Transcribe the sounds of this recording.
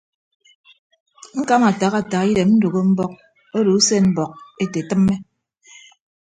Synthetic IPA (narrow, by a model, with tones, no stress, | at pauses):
ŋ̩˦ka˦ma˨ta˨ɣa˨ta˨ɣi˦de˨mn̩˦do˨ɣo˦m̩˦bɔ˦k̚ | o˦do˨u˦se˦m̩˦bɔ˨k̚e˦te˨tɨ˦mːe˦